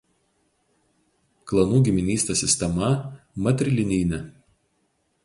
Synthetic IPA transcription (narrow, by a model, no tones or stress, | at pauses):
klˠɐnuːɡʲɪmʲɪnʲiːsʲt̪ʲesʲɪsʲt̪ʲɛmɐmɐt̪ʲɾʲɪlʲɪnʲiːnʲɛ